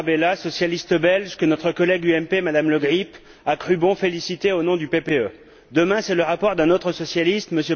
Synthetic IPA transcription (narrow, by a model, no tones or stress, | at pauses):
belasɔsjalist̪bɛlʒkənɔt̪χəkɔlɛɡyɛmpemad̪amləɡʁip | akχybɔ̃felisit̪eonɔ̃d̪ypepeø | d̪əmɛ̃sɛləʁapɔʁd̪ɛ̃not̪χəsɔsjalist̪məsø